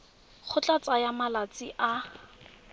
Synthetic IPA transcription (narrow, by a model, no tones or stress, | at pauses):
k͡xʰʊt͡ɬʼat͡sʼajamalat͡sʼɪʔa